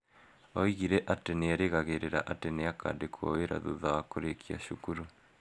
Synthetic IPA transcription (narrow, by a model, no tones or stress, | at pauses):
ɔiɣiɾɛʔateneaɾeɣaɣeɾeɾaʔateneakʰa̰dekʰɔ̰weɾa̰ðuðaakoɾekʰia̰ʃukuɾu